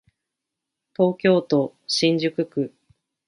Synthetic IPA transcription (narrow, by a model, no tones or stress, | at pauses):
t̪o̞ːkʲo̞ːt̪o̞ɕĩɲd͡ʑɨkɯ̟kɯ̟